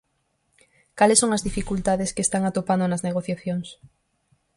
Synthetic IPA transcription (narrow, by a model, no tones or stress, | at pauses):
kalɪsoŋɐzðifikult̪aðeskest̪aŋat̪opand̪onɐzneɣ̞oθjaθjoŋs